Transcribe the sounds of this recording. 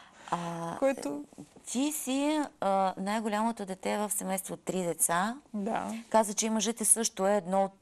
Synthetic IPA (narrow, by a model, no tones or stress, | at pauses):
akɛt̪ot̪ʲisiənajɡʊlʲamot̪od̪ɛt̪ɛvəfsɛmɛjst̪vot̪ːɾid̪ɛt̪sad̪a̰kazət͡ʃɛimɐʒɛt̪ɛsɤʃt̪ʊɛːd̪nɔt̪